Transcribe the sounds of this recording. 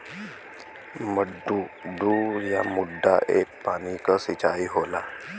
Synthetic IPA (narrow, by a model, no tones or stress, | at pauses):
məɖːuɖuːɾjamuɖʱːa̰ʔḛkpaɽ̃ikəsit͡ɕaiɦola